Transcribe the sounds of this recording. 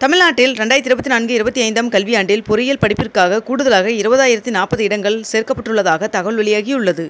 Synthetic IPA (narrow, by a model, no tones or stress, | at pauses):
t̪ɐmɪlnaːʈːɪlɾɛɳɖaːjt̪ɪɾɯbɐt̪ːinaːnɡɯɪɾɯbɐt̪ːiɐɪnd̪ɐmkɐlʋɪjaːɳɖɪlpʊɾɪjɐlpɐɽɪpːɪrkaːɣɐkuːɽɯðɐlaːɣɐɪɾɯbɐðaːjɪɾɐt̪ːinaːpɐðɯɪɽɐŋɡɐɭseːrkɐpːɐʈːrɯɭːɐðaːɣɐt̪ɐɣɐɭʋɐɭɪjaːɣɪʊɭːɐðɯ